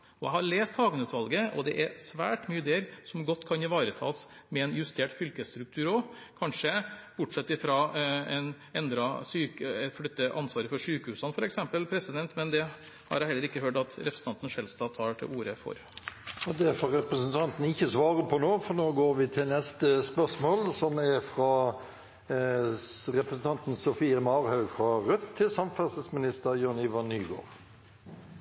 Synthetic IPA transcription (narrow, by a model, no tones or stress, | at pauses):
ɔjæɪhɑɾɭeːst̪hɑːɡənʉːt̪ʋɑlɡəʔɔ̰d̪ɛ̰ʔæɾsʋæ̰ːʈmyːəd̪eːɾsɔmɡɔt̪ːkʰɑnɪʋɑːɾət̪ʰɑ̰ːsmɛɛnjʉst̪ʰeːʈfʏlkəst̪ɾʉk̚t̪ʰʉːɾɔkʰɑnʂəb̥ʊʈʂɛt̪ːɪfɾɑɛn | ɛnd̪ɾɑsyːk̪flʏt̪ːəʔɑnsʋɑːɾəfɔʂyːkəhʉːsɑnəfɔɾɛksɛmpəlpʰɾɛsɪd̪ɛnt̪mɛnd̪ɛ | hɑ̰ɾjɛhɛlːəɾɪkːəhøːʈɑt̪ɾɛpɾsn̩ʰɑnt̪ən̩ʂɛlst̪ɑːt̪ʰɑːʈʰɪ̰uːɾəfɔ̰ɾ | ɔd̪æfɔʁɛpɾəsnt̪ʰɑnt̪n̩ɪçːəsʋɑːʁəpʰɔnoːfɔnoːɡoːɾʋɪt̪ʰɪlnɛst̪əspœʁsmoːlsɔmɛfʁɑ | ʁɛpɾəsn̩t̪ɑnt̪n̩sɔfiːəmɑːɾhœʉfʁɑʁʉt̪t̪ʰːɪlsɑmfɛsəsmɪnɪst̪əɾjøːnɪʋɑnːyːɡo̰ːʁ